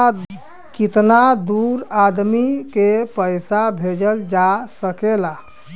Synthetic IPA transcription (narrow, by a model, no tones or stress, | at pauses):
kit̪nad̪uɾad̪mikepəjsabʱed͡ʒəld͡ʒasəkela